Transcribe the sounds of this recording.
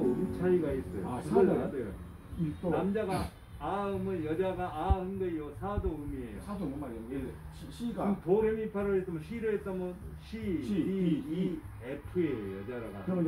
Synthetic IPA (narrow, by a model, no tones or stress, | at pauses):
t͡ɕʰaiɡais͈ʌjoaadʌjo̰ | t̪onamd͡ʑaɡaː | ɯmɯnjʌd͡ʑaɡaːɯnɡʌijosʰadoɯmiḛjjo̰sadomumaeee | ɕɕʰiɡapoɾemipʰaɾoets͈amʌnɕʰiɾɯɦet̚t͈amʌnɕʰi | epʰɯejojʌd͡ʑaɾaɡa̰kɯɾʌ